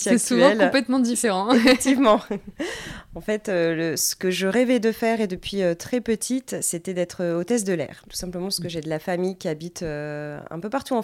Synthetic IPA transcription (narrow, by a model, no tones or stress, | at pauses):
aɛksuvɑ̃ɛlkɔ̃plɛt̪mɑ̃d̪ifeʁɑ̃efk̚t̪ivmɑ̃ | ɑ̃fɛt̪øləsə̥kəʒəʁɛvɛd̪əfɛʁed̪əpɥiøt̪χɛpət̪ʰit̪set̪ɛd̪ɛt̪χəot̪ɛzd̪əlɛ̰ʁt̪u̥sɛ̃pləmɑ̃sə̥kəʒɛd̪əlafamijkʲiabit̪øɛ̰̃pøpaʁt̪uɑ̃